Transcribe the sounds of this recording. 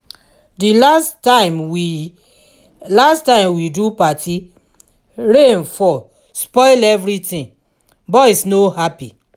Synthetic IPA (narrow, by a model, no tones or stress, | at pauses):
dilastaɪ̃mwi | lastãɪ̃mwidupatʰi | ɹẽnfɔ | spɔɪlɛvɾitĩn | bɔɪsnohapi